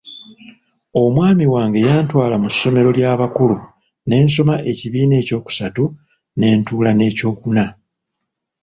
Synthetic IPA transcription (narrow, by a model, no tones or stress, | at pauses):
o̞mwaːmiwaːŋɡe̞jaːntwaːlamusːo̞me̞ɾo̞ljaːβakulu | ne̞ːnso̞maʔe̞ciβiːne̞ːco̞ːku̥satu | ne̞ːntuːlane̞ːco̞ːkuna